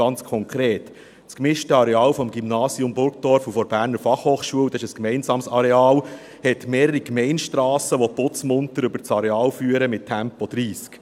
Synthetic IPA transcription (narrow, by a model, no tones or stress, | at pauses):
ɑnt͡skʰɔŋkʰɾeːt | t͡skmɪʃtəɑɾeɑːlfɔmɡimnɑːsiʊmbʊɾk̚d̥ɔɾfufɔɾb̥æːɾnəɾfɑχhoːχʃuəwd̪ɑɪʃəskmɛɪnsɑːmsɑɾeɑːl | hɛtmeːɾəɾikmɛɪnʃtɾɑːsəʋɔpʊt͡smʊnt̪əɾʏbəɾt͡sɑɾeɑːlfyːəɾəmɪttʰːæmpɔd̥̪ɾiːsk